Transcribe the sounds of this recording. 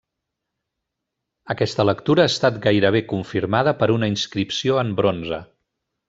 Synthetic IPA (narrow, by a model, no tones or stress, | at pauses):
əkɛst̪ələkt̪uɾəaːst̪at̪ɡajɾəβ̞ekuɱfiɾmaðəpəɾunəinskɾipsioəmbɾonzə̰